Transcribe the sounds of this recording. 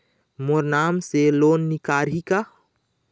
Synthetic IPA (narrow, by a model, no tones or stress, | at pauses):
moɾnaːmseloːnːɪkaːɾika